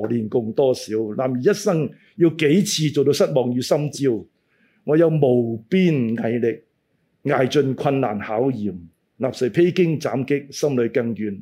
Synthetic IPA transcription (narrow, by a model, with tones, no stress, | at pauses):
liː˨nkʊ˧ŋt̪ɔː˥siː˨˥wlaː˨˩mjiː˨˩jɐ˥t̚sɐ˥ŋ | jiː˧wke˨˥jt͡sʰiː˧t͡so˨wt̪o˧wsɐ˥t̚mɔː˨ŋjyː˨˧sɐ˥mt͡siː˥w | ŋɔː˨˧jɐ˨˧wmo˨˩wpiː˥nŋɐ˨˧jlɪ˨k̚ | ŋaː˨jt͡ʃɵ˧nkʷʰɐ˧nla̰ː˨˩nhaː˨˥wjiː˨˩m | laː˨p̚sɐ˨˩pʰe˥jkɪ˥ŋt͡saː˨˥mkɪ˥k̚sɐ˥mlɵ˨˧ɥkɐ˧ŋjyː˨˩n